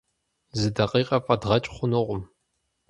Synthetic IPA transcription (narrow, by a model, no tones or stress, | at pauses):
zɨdɐqʼiːqʼɐfʼɐdʁɐt͡ʃʼχʷʊnɨʁʷʊm